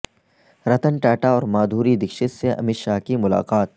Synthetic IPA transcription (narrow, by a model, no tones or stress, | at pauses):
ɾɐt̪ənʈɛːʈaɔːɾmaːd̪ʱuːɾid̪ɪkʃɪt̪seʔɐ̰mɪʃakimʊla̰ːqaːt̪̚